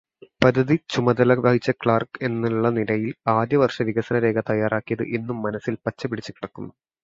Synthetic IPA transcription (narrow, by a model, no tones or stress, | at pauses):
pɐd̪ʱːɐðit͡ɕumɐd̪ɐlɐʋɐːɦit͡ɕːɐkɭaːrke̞nːiɭːɐnilɐjilaːd̪jɐʋɐrʂɐʋiɡɐsɐnɐɾe̞ːɡɐt̪ɐjːaːraːkːijɐðɨ̰ʔenːumːɐnɐsilpɐt͡ɕːɐpiɽit͡ɕːukːiɽɐkːunːu